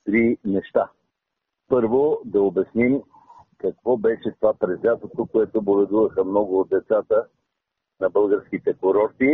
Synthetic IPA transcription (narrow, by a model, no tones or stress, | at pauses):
t̪ɾinɛʃt̪a | pɤɾvod̪ɐobɛsnim | kɐkvɔbɛʃɛt̪ovapɾɛzvʲat̪ot̪okoɛt̪obolɛd̪uvəxəmnɔɡʊːd̪̚d̪ɛt̪sat̪ə | nɐbɤlˠɡəɾsk̟it̪ɛkoɾɔɾt̪i